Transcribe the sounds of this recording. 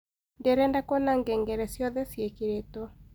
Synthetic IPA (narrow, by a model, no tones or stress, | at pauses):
ndɛɾɛndakɔnaŋɡɛŋɡɛɾɛsjɔðɛsjekeɾetɔ